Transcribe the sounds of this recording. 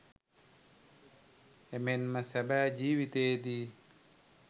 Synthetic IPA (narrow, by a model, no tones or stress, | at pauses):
emenməsæbæːd͡ʒiːʋit̪eːd̪iː